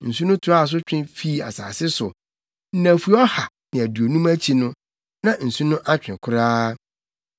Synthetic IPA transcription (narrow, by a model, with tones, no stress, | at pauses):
n̩˨su˦nʊ̃˦tʰʊ˨ɾa˦˨s̬ʊ˦t͡ɕᶣɪ̃˦fi˦˨a̰˨sa̰ː˨sɪ˦sʊ˨ | n̩˦næ̃˨fu˨˦ɔ˦ha˨ | nɪ̃˨æ˨du˨o˨nũ˦mæ˦t͡ɕʰi˨nʊ̃˦ | nã˨n̩˨su˦nʊ̃˦ʔa˦t͡ɕᶣɪ̃˨kʰʊ˦ɾaː˦